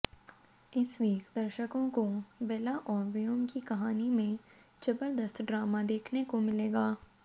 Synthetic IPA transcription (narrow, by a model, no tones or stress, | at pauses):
ɪsʋiːkd̪əɾʃəkõkobɛːlaʔɔːɾʋɪjomkikɐɦaːnimẽ | d͡ʒɐbəɾd̪əst̪ʰɖɾaːmad̪eːkʰnekomɪleːɡaː